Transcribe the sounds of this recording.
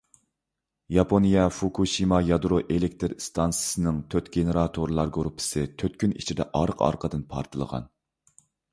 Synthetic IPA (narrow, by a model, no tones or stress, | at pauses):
jɑpʰonijɛfukʰuʃimɑjɑd̪ɾoʔelek̚ʲt̪ʰɨɾst̪ʰɑnsɨ̥sɨnɪŋt̪ʰøt̪ɡ̥ʲenɨɾɑt̪ʰoɾlˠɑɾɡoɾupʰːɪ̥sɨt̪ʰøt̪̚kʲynḭt͡ʃʰid̪ɛ̰ʔɑɾəqɑ̰ɾqʰəd̪ɨnpʰɑ̰ɾt̪ʰɨlˠə̰ʁɑ̰n